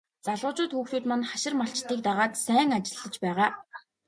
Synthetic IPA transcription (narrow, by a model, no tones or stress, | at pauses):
t͡saɮʁʊːt͡ɕʊːt̪xuːxt̪uːt̪manχaʃɪ̆rmaɬt͡ɕt̪iːk̚t̪aʁaːt̪sæːŋat͡ɕɪ̆ɮːə̆t͡ɕpæːʁaː